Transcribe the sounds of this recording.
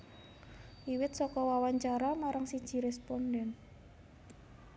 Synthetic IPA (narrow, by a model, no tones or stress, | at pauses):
ʔiwɪt̪sɔkɔwawaɲt͡ʃaɾamaɾaŋsid̥ʒ̥i̤ɾɛspɔnɖɛn